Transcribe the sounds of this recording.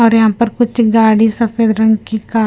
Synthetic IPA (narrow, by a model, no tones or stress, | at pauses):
ɔːɾjɐɦãːpɐɾkʊt͡ʃʰɡaːɽisɐfʰeːd̪ɾɐ̃ŋɡkikaː